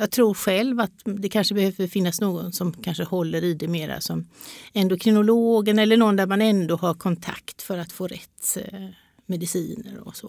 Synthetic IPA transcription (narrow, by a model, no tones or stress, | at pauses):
jɑːɡ̚t̪ʰɾuːɾɧɛlvat̪d̪ɛkʰanʂəbɛhøːvəɾfɪnːasnoːɡɔnsɔmkʰanʂəhɔlːəɾɪd̪ɛmeːɾa̰sɔmɛnd̪oːkʰɾɪnʊloːɡənɛlːəɳɔɔnd̪æɾmanɛnd̪oːɦaɾkʰɔnt̪ʰa̰kt̪fœɾat̪foːɾɛ̰t̪ː | mɛd̪ɪsiːnə̰ɾɔ̰sɔ